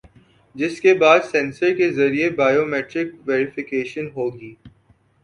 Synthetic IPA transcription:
d͡ʒɪskebaːd̪sɛ̃nsəɾkezɐɾiebaːjoːmɛːʈɾɪkʋeːɾɪfɪkeːʃənɦoːɡiː

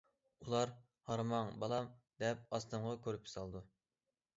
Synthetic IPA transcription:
ulˠɑɾ | hɑɾmɑŋbɑlˠɑmd̪ɛp̚ɑst̪ɨɴʁɑkʲʰøɾypji̥sɑlˠd̪u

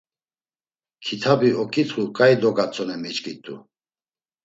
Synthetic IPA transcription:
kʰit̪ʰabiɔkʼit͡s̪χukʼajd̪ɔɡat͡sʼɔnɛmit͡ʃʼkʼit̪ʼṵ

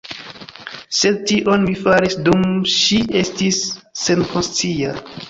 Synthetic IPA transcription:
se̞tiʔonmifaɾisdumʃiʔe̞stisːenkonst͡sia

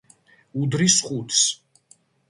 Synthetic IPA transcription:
ud̪ɾisχut̪ʰs

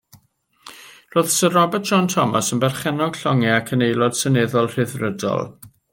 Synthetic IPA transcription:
roːðsərɔbɛt̚d̥ʒ̥ɔntʰɔmasənbɛrχɛnɔɡ̥ɬɔŋɛakʰənejlˠɔd̥sənɪðɔlˠr̥ɪðrədɔ̰lˠ

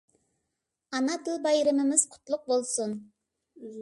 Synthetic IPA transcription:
ɑnɑt̪ʰɪlˠbɑjɾɪmɪmɪz̥qʰʊ̥t̪lˠʊq̚bolˠsʊn

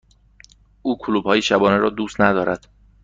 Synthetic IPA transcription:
ʔuːkʰoluːb̥hɒːjeʃæbɒːneɾɒːd̪uːst̪næd̪ɒːɾæd̪̥

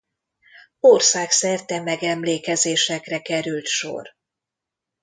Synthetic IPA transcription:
oːrsaːksɛrt̪ɛmɛɡɛmleːkɛzeːʃɛkrɛkɛɾylt̪ʃo̰r

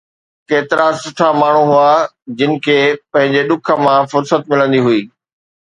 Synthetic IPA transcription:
keːt̪ɪɾasʊʈʰamaːɳ̤ũɦua | d͡ʑɪnɪ̆kʰeːpɐ̃ɦɪ̃ɲd͡ʑeɗʊkʰə̆mãfʊɾsət̪mɪlə̃nd̪iɦuiː

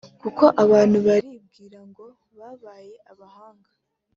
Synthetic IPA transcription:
kuko̞ʔaβaːn̥huβaɾib̚ɡiːɾaŋɡo̞ | βaːβaːje̞ʔaβahaːŋɡa

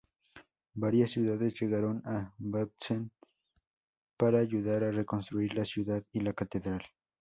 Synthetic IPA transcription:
baɾjasːjuðaðesʝeɣaɾonabab̚t͡sen | paɾaːʝuðaɾarekonst̪ɾuiɾlasjuðaðilakat̪eðɾal

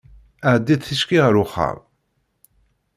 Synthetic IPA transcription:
əʕd̪ːiðθiʃkiʁəɾʊχə̰ɾˤ

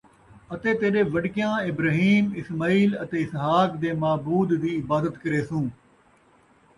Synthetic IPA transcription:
ət̪eːt̪eːɾeːʋəɖkɪjãːɪbɾaːɦiːmɪsmaːiːlət̪eːɪsɦaːkd̪eːmaːbuːd̪ːiːɪbaːd̪ət̪kəɾeːsũː

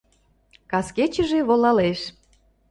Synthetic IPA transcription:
kɑsket͡ɕə̆ʒeβolɑleʃ

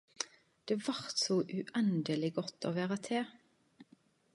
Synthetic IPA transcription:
d̪̥eːʋɑʁt̪sɔʔʉʔɛnd̪əlɪɡɔt̪ːo̰ːʋæːʁɑt̪ʰeː

